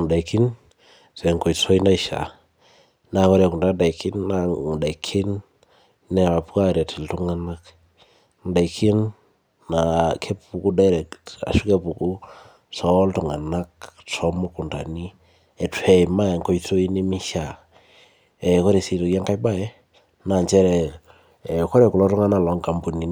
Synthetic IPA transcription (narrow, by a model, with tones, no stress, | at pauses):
nda˨iki˦n | sɛ˨ŋko˨jto˦i˦nda˦ɪʃa̰˨ | na˨kɔ˦ɾa˨ku˨nda˦da˨ikɪ˦nːaŋ˨da˨ikʰɪ˦nː | ɛ˨a˨pka˦˨ɾɛ˨tʰɪ˨ltu˦ŋa˦na˦k | ŋ˨da˨ikʰɪ˦nː | a˨kʰɛ˦pu˨ku˦da˦ɾɛ˨ka̰˨ʃu˦kɛ˦pu˨ku˦ | sɔ˦ltu˨ŋa˨na˦k̚tɔ˨mɔ˦ku˨nta̰˨ni˦ | ɛ˨twɛ˨ma˦˨ŋkɔ˦jtʰo˦i˦ni˦mi˦ʃa˨ | ɛ˨kɔ˦ɾe˨si˨to˨kja˦ŋka˦jba˦ɛ˦ | na˨ɲt͡ʃɛ˦ɾɛ˨ | kɔ˦ɾɛ˨ku˨lɔ˦tʊ˦ŋa˦na˦˨lɔ˨˦ŋka˨mbu˨ni˨n